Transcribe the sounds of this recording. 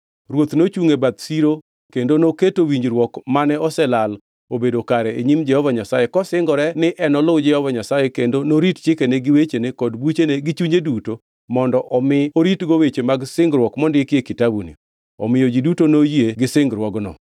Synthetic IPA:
ɾwot̪not͡ʃuŋebat̪siɾo | kendonoketowiɲd͡ʒɾwɔkmanɛɔsɛlal | obedokaɾɛeɲimd͡ʒɛhɔvaɲasajekɔsɪŋɡɔɾɛnɪʔɛnɔlod͡ʒɛhɔvaɲasajekendonoɾitt͡ʃɪkeneɡɪwet͡ʃenekɔdbut͡ʃeneɡɪt͡ʃuɲeduto | mɔndɔʔɔmɪoɾitɡowet͡ʃemaɡsɪŋɡɾwɔkmɔndekjekɪtabunḭ | ɔ̰mɪjod͡ʒidutonojieɡɪsɪŋɡɾwɔɡnɔ̰

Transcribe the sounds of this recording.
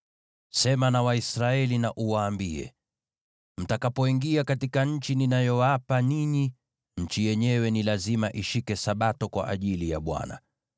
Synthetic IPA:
sɛmanawaisɾaɛlinaʔuwaːmbiɛ̰ | m̩takapɔiŋɡiakatikaɲ̩t͡ʃininajɔwapaniɲi | ɲ̩t͡ʃijɛɲɛwɛnilazimaʔiʃikɛsaɓatɔkwa̰ʔa̰ʄilija̰ɓwa̰na̰

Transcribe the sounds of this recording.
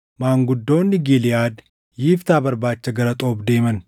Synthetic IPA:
maːŋɡʊd̪ːoːnːɪɡilɪjaːd̪ | jɪft̪aːbɐɾbaːt͡ʃːɐɡɐɾɐt̪ʼo̞ːbd̪e̞ːmɐn

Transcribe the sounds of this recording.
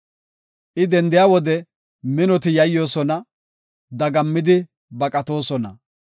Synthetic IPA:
ʔɪd̪ɛnd̪ɪjaːwɔd̪ɛ | mɪnɔt̪ɪjɐjːo̞ːsɔnɐ | d̪ɐɡɐmːɪd̪ɪ | bɐkʼɐt̪o̞ːsɔnɐ

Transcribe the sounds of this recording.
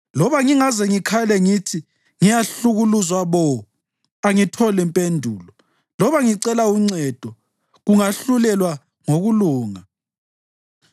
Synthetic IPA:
lɔβaŋiŋazɛŋikʰalɛŋitʰi | ŋijaɬuɣuluzwaβɔ | aŋitʰɔlɛmpʼendʱuːlɔ | lɔβaŋiǀɛlauŋ͡ǀɛd̥ʱɔ | ɣuŋaɬulɛlwa | ŋoɣuluːŋa

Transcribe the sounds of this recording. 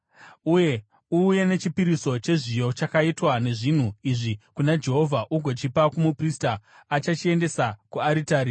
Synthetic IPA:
uje̞ | uːje̞ne̞t͡ʃipiɾiso̞t͡ʃe̞ʐijo̞t͡ʃakaitwane̞ʐin̤uiʐikunad͡ʒe̞ɦovʱaʔuɡʱo̞t͡ʃipakumupristaː | t͡ʃat͡ʃie̞nde̞sakuaɾitaːɾi

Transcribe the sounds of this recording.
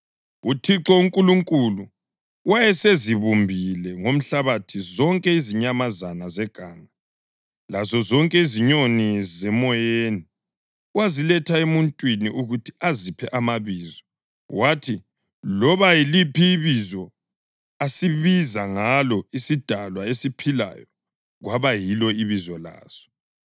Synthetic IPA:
utʰiǁɔuŋkʼuluŋkʼulu | wajɛseziβumbʱilɛŋom̩ɬaβatʰizɔŋkʼɛiziɲamazanazɛɡ̥ʱaːŋa | lazɔzɔŋkʼɛiziɲonizɛmɔjeni | wazilɛtʰaemuntʼwiniʔuɣutʰiazipʰɛʔamaβiːzɔ | wʔatʰi | lɔβajilipʰiːβizɔ | asiβizaŋalɔisid̥ʱalwaesipʰila̰jɔ | ɣwaβajilɔiβizɔla̰ːz̥ɔ

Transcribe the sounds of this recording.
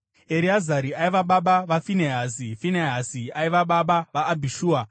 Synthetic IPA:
eɾiazaɾiaiʋaɓaɓaʋafineɦazifineɦaziaiʋaɓaɓaʋaːbʱiʃuːa

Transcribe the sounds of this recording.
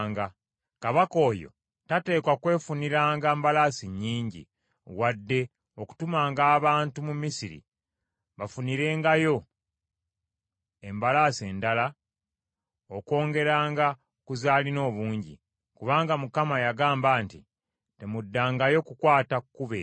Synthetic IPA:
ŋɡa | kaβako̞ːjo̞̰ | tate̞ːkwakwe̞ːfuniɾaːŋɡaːmbalasiɲːiːɲɟḭ | wadːe̞ | o̞ku̥tumaːŋɡaːβaːntumumisiɾḭ | βafuniɾe̞ːŋɡajo̞ | e̞mbalase̞ːndala | oko̞ːŋɡe̞ɾaːŋɡa | kuzaːlino̞ːβuːɲɟḭ | kuβaːŋɡamukamajaɡaːmbaːnti | te̞mudːaːŋɡajo̞kukwaːtakːuβe

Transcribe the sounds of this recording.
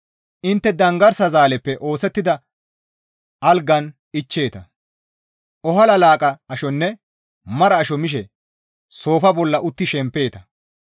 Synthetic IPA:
ʔɪnt̪ːɛd̪ɐŋɡɐɾsɐzaːlɛpːɛʔo̞ːsɛt̪ːɪd̪ɐ | ʔɐlɡɐn | ɪt͡ʃːe̞ːt̪ɐ | ɔhɐlɐlaːkʼɐɐʃɔnːɛ | mɐɾɐːʃɔmɪʃ̬ɛ | so̞ːfɐbɔlːɐʔʊt̪ːɪʃɛmpːe̞ːt̪ɐ

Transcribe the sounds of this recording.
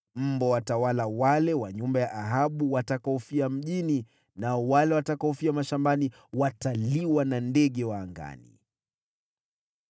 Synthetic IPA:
m̩bɔwatawalawalɛwaɲumbajaʔaɦaɓuwatakaɔfiam̩ʄini | naɔwalɛwatakaɔfiamaʃambani | wataliwanandɛɠɛwaːŋɡa̰nḭ

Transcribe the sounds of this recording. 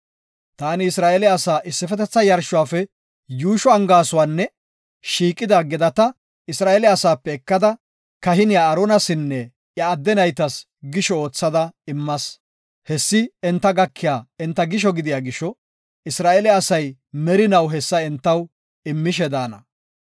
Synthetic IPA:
t̪aːnɪːsɾaːʔɛlɛɐsaːʔɪsːɪfɛt̪ɛt͡sːɐjɐɾʃʊwaːfɛ | juːʃɔɐŋɡaːsʊwaːnːɛ | ʃiːkʼːɪd̪ɐɡɛd̪ɐt̪ɐ | ɪsɾaːʔeːlɛɐsaːpːɛːkːɐd̪ɐ | kɐɦɪnɪjaːɾoːnɐsɪnːɛ | jɐːd̪ːɛnɐjt̪ɐs | ɡɪʃɔoːt͡sːɐd̪ɐɪmːɐs | hɛsːɪɛnt̪ːɐɡɐkʰːɪjaːɛnt̪ːɐɡɪʃ̬ɔɡɪd̪ɪjaːɡɪʃːɔ | ɪsɾaːʔelɛɐsɐj | mɛɾɪnɐwɦɛsːɐɛnt̪ːɐw | ɪmːɪʃ̬ɛd̪aːnɐ̰

